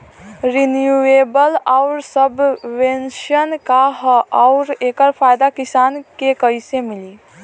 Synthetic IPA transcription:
ɾinjueːbəlɔʊɾsəbʋẽnʃənkaɦɔʊɾeːkəɾpʰaːjd̪akɪsaːnkekəɪsemɪliː

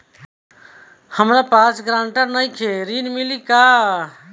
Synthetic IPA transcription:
həmɾapasɡɾãɳʈəɾnəjkʰeɾinmilika

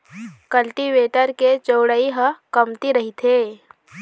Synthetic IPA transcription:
kɐlʈiʋeːʈəɾket͡ʃoːɽəiɦəkɐmt̪iɾɐɦit̪ʰeː

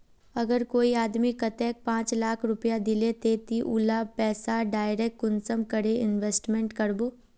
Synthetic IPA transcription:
ɐɡəɾkoːiaːd̪mikɐt̪ɛːk̚pãːt͡ʃlaːkʰɾʊpjad̪ɪlet̪eːt̪iʔʊlapɛːsaɖaːɪɾekːʊnsəmkəɾeɪnʋeːsʈmẽɳʈkɐɾboː

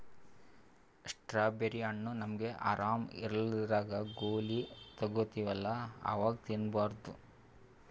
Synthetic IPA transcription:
ʂʈɾaːbeɾiɐɳːunɐmɐɡe̞ʔa̰ːɾaːmḭɾɐlid̪ɾaːɡɐɡoːlit̪ɐɡot̪iʋɐlːɐa̰ːʋaːɡɐt̪inbaːɾd̪u

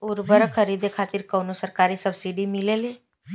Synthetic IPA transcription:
ʊɾbəɾkʰəɾiːd̪ekʰaːt̪ɪɾkoːnosəɾkaːɾisəbsiɖimɪleleː

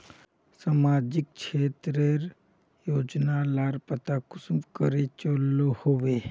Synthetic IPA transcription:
samaːd͡ʒɪk̚t͡ʃʰeːt̪ɾəɾ | joːd͡ʒnalaːɾpət̪akʊsmkəɾet͡ʃolːohoːʋe

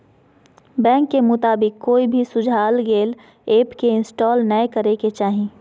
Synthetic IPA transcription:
bɛ̃ːŋkːemʊt̪aːbɪkːoːibʱisʊd͡ʒʱaːlɡeːl | eːpkeɪnsʈɔːlnəjkəɾeket͡ʃaːɦĩ

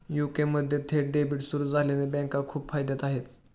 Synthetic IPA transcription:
jukeməd̪ʱːjet̪ʰeɖebiːʈsuɾuːd͡zʱalanebɛ̃ŋkakʰuːpfajd̪at̪aɦet̪

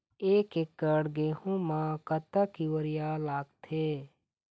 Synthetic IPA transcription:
eːkekːəɽɡeːhũmãkət̪akiwəɾijalaːɡt̪ʰeː

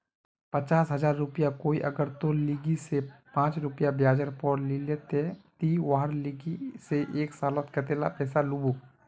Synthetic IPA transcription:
pət͡ʃaːsɦɐzaːɾːʊpijakoːiʔɐɡəɾt̪oliɡisepãːt͡ʃɾʊpijabjaːd͡ʒəɾpɔɾlileːt̪et̪iwaːɦəɾliɡiseʔeːksaːlət̪kɐt̪eːla̰pɛːsalubu

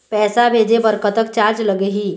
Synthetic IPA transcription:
pɛːsabʱeːd͡ʒebəɾkət̪əkt͡ʃaːɾd͡ʒləɡəɦiː

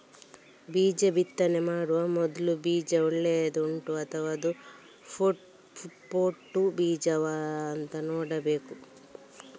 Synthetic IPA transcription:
biːd͡ʒɐbit̪ːɐnemaːɽuʋɐmɔd̪ɐlubiːd͡ʒɐuɭːeɐd̪uuɳʈuɐt̪ʰɐʋaɐd̪u | pʰoʈ | fuʈpoːʈːubiːd͡ʒɐʋaːɐnt̪ɐnoːɽɐbeːku

